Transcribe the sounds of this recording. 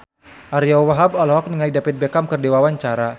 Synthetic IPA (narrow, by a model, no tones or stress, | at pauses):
ʔaɾijawaɦabɔlɦɔk̚niŋalidapɪt̪̚bekamkərdewawaɲt͡ʃaɾa